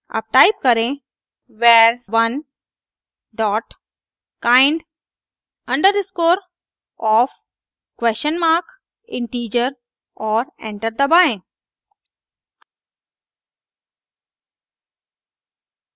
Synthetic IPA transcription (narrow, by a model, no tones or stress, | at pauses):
ɐ̰b̚ʈaːɪp̚kəɾẽ | ʋeːɾʋɐn | ɖɔːʈ | kãːɪ̃ɳɖ | ɐ̃ɳɖəɾɖɪskoːɾ | ɔːf | kʋest͡ʃənmaːɾk | ɪ̃ɳʈiːd͡ʒəɾ | ɔːɾɛ̰̃ɳʈəɾd̪əbaẽ